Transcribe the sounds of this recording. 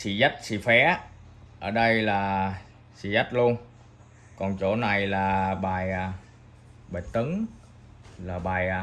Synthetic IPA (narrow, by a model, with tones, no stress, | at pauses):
sḭ˧˨zə˦˥t̚sḭ˧˩fɛ˨˦ | ʔəː˧˩ɗə˧jlaː˨˩ | sḭ˧˩zə˦˥t̚lu˧ən | kɔ˨˩nt͡ɕo̰˧˦na˨˩jlaː˨˩ɓaː˨˩ja˨˩ | ɓaː˨˩jt̪ɨ˨˦ŋ | laː˨˩ɓaː˨˩j